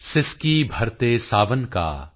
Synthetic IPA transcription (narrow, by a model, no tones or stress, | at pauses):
sɪskiːbʱɐɾt̪esaːʋənka̰ː